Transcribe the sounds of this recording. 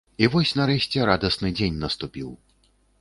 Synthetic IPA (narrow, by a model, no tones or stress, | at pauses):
ivɔsʲnɐɾɛɕʲt͡sʲɛɾad̪ɐsnɨd͡zʲenʲnɐst̪upʲiw